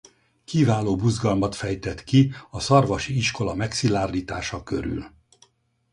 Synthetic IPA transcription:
kivaːloːbuzɡɒlmɒt̪fɛjt̪ɛt̪kiɒsɒrvɒʃiiʃko̞lɒmɛksilaːrliːt̪aːʃɒkø̞ɾy̰l

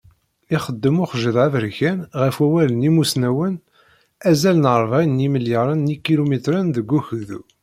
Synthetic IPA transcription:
iχəd̪ːəmʊχʒəðævəɾçænʁəfwæwælənimusnæwən | æzælənəɾˤvæjəniməljəɾˤɑnːikːilumit̪ɾænðəɡʷːuçðu

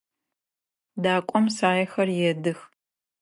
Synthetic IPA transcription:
daːkʷʼɔmsaːjɛxɐrjɛdɨx

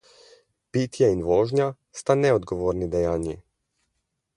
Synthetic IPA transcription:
pit̪jɛinʋoːʒnja | st̪anɛɔd̪ɡoʋoːɾnid̪ɛjaːnji

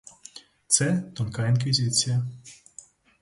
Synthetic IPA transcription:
t̪sɛt̪ɔnkainkʋʲizʲit͡s̪ʲijɐ

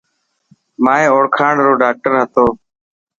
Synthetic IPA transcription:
maːẽːoːɽkʰãːɳɾoːɖaːk̚ʈəɾɦət̪oː

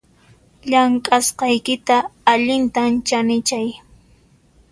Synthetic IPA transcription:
ʎaŋkʼasqɑjkɪt̪aːʎɪnt̪ant͡ʃanɪt͡ʃaj

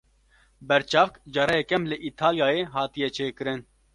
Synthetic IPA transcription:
bɛɾt͡ʃɑːfkd͡ʒɑːɾɛjekɛmlɪʔit̪ʰaːljaːjeːɦɑːt̪ijɛt͡ʃʰeːkɨɾɨn

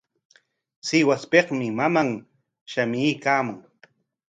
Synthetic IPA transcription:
sɪwaspeχmɪmamaŋ | ʃamɪjkaːmʊŋ

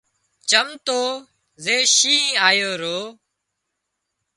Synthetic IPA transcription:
t͡ʃəmt̪oː | zeːʃĩːaːjoːɾoː

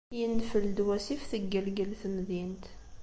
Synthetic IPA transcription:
jənːfəld̪wæsifθəɡːəlɡəlθəmðint̪

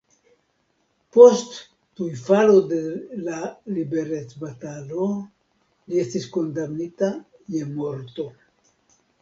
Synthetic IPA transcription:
po̞st | tujfalo̞d̪e̞lalibe̞ɾe̞t͡sbat̪alo | lie̞stisko̞ndamnita | je̞mo̞ɾt̪o̞

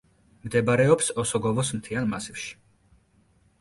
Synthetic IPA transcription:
md̪ɛbaɾɛɔpsɔsɔɡɔvɔsmt̪ʰianmasifʃi̥

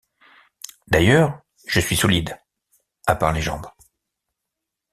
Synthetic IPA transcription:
d̪ajœʁ | ʒəsɥisɔlid̪ | apaʁleʒɑ̰̃bʁ

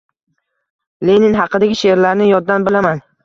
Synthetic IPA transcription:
lenɪnɦɑqʰɨd̪aɡʲɪʃeɾlaɾnɪjɒd̪d̪ːanbɪlaman

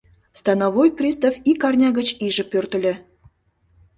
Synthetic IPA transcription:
st̪ɑnɑvojprʲist̪ɑfikɑrnʲɑɣə̆t͡ɕiʒɘ̆pʲørt̪ə̆lʲɘ̆

